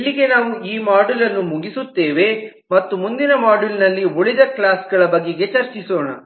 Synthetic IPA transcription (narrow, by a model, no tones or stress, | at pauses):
ilːiɡenaːʋuiːmaːɖulɐnːumuɡisut̪ːe̞ːʋe̞ | mɐt̪ːumund̪inɐmaːɖulnɐlːioɭid̪ɐklaːsɡɐɭɐbɐɡːeɡe̞t͡ʃɐɾt͡ʃisoːɳɐ̰